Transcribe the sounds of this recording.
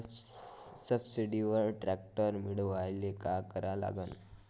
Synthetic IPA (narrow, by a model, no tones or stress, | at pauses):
səbsiɖiʋəɾʈɾæk̚ʈəɾmiɽəʋajlekakəɾala̰ɡən